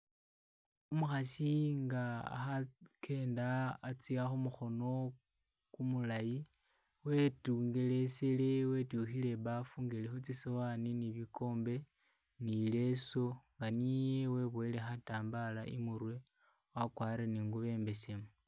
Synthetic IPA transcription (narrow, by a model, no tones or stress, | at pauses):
umuxasiŋɡaa̰xakʰe̞ːndaːt͡siaxumuxo̞no̞ | kumulaji | wetuːŋɡe̞le̞sele̞we̞tuxile̞βafuŋɡelexut͡sisowaniniβiko̞ːmbe̞ | nile̞so̞ŋɡanijeweβwoilexataːmbalaʔḭmuɾwe | wakwaːɾeniːŋɡuβe̞ːmbe̞semu